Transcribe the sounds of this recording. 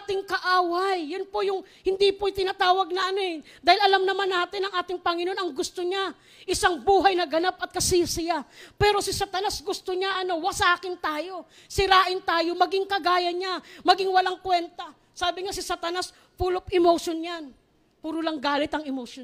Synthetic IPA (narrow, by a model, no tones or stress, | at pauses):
t̪ɪŋkɐʔaːwajːanpojʊŋhɪnd̪ipot̪ɪnat̪aːwɐɡ̚nɐʔɐnoɛ | d̪aːhɪlʔɐlamnɐmanːaːt̪ɪnɐŋʔaːt̪ɪŋpɐŋɪno̞nɐŋɡʊst̪oɲa | ʔɪsaŋbuːɦɐjnɐɡɐnap̚ɐt̪̚kɐsɪsɪjapɛːɾo̞sɪsat̪ɐnasɡʊst̪oɲaʔɐno̞wasɐʔaːkɪnt̪aːjo̞ | sɪɾaːʔɪnt̪aːjo̞mɐɡɪŋkɐɡaːjɐɲamɐɡiŋwɐlaŋkwɛnt̪ɐ | saːbɪŋasɪsat̪ɐnas | puːlopʔɪmoʃonjan | puːɾʊlɐŋɡaːlɪt̪ɐŋɪmoʃon